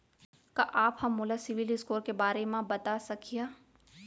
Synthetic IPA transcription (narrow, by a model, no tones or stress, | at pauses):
kaʔaːphɐmːʊlasɪʋɪlɪskoːɾkebaːɾemãbɐt̪asɐkʰijaː